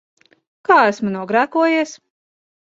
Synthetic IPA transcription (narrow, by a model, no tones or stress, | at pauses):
kaːæsmunuɔɡɾæːkuɔjiɛs